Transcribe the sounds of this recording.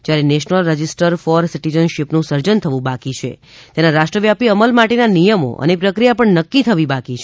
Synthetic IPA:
d͡ʒjaɾeneʃnəlɾəd͡ʒɪsʈəɾfɔɾsiʈizənʃipnũsəɾd͡ʒənt̪ʰəʋũbakit͡ʃʰḛ | t̪enaɾaʃʈɾəʋjapiəməlmaʈenanijəmo̰ʔə̰nepɾəkɾijapəɳnəkːit̪ʰəʋibakit͡ʃʰ

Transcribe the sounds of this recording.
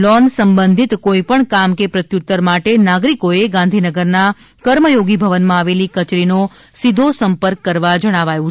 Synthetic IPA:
lɔnsəmbə̃nd̪ʱit̪koipəɳkamkepɾət̪jut̪ːəɾmaʈenaɡɾikoeɡãnd̪ʱinəɡəɾna | kəɾməjoɡibʱəʋənmãaʋelikət͡ʃɾino | sid̪ʱosəmpəɾkːəɾʋad͡ʒəɽ̃aʋajũ

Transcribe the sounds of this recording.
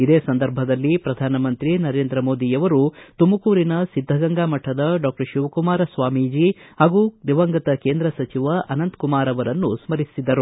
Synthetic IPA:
id̪eːsɐnd̪ɐɾbʱɐd̪ɐlːipɾɐd̪ʱaːnɐmɐnt̪ɾinɐɾe̞ːnd̪ɾɐmo̞ːd̪ijɐʋɐɾut̪umɐkuːɾinɐsid̪ʱːɐɡɐŋɡaːmɐʈʰːɐd̪ɐɖaːk̚ʈɐɾʃuʋɐkumaːɾɐsʋaːmiːd͡ʒihaːɡud̪iʋɐŋɡɐt̪ɐkeːnd̪ɾɐsɐt͡ʃiʋɐʔɐnɐnt̪kumaːɾɐʋɐɾɐnːusmɐɾisid̪ɐɾu

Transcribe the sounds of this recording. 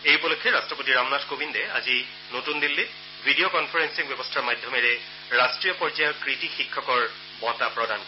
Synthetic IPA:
ejupɔlokʰːɛɹastɹɔpotiɹamnatʰkobindɛa̰zi | notundilːe | bʱidiokɔnpʰaɹɛnsiŋbjɔbɔstʰaɹmadʱjɔmɛɹɛ | ɹastɹijɔpɔɹd͡ʒajɔɹkɹitixikʰːɔkɔɹ | bɔtapɹɔdan

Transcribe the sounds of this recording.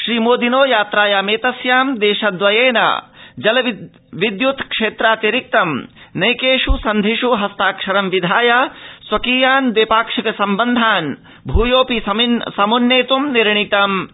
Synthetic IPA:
ʃɾiːmoːd̪inoːjaːt̪ɾaːjaːmeːt̪ɐsjaːmd̪eːʃɐd̪ʋɐjeːnɐ̰d͡ʒɐlɐ | ʋid̪jut̪ʰkʂeːt̪ɾaːt̪eɾik̚t̪ɐmnɐjkeːʂusɐnd̪ʱiʂuɦɐst̪aːkʂɐɾɐmʋid̪ʱaːjasʋɐkiːjaːnd̪eːpaːkʂɐkɐsɐmbɐnd̪ʱaːn | bʱuːjoːpisɐminsɐmunːeːt̪umniɾɳit̪ɐm

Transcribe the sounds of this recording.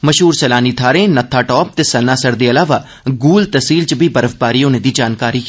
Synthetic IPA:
məʃɦuːɾt͡ʃəlaːniːt̪ʰaːɾẽːnət̪ʰːaːʈɔːp̚t̪eːsənːaːsəɾd̪eːəlaːʋaː | ɡuːlt̪əsiːlt͡ʃəbiːbəɾəfbaːɾiːoːnẽːd̪iːd͡ʒaːnkaːɾiː

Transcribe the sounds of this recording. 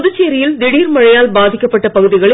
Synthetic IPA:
ðɯt͡ʃːeːɾɪjɪld̪ɪɽiːɾmɐɻɐjaːlbaːðɪkʲːɐpːɐʈːɐpɐɣɯðɪɣɐɭɪ

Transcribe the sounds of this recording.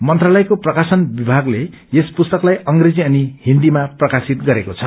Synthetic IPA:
mʌnt̪ralʌjkoprʌkasʌnbibʱaɡle | espust̪ʌklajʌŋɡred͡ziʌnihind̪imaprʌkasit̪̚ɡʌɾekot͡sʰʌ

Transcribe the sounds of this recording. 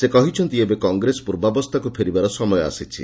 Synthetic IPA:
sekɔɦit͡ʃʰɔnt̪iebekɔŋɡɾespuɾbabɔst̪ʰakupʰeɾibaɾɔsɔmɔjɔa̰sit͡ʃʰḭ

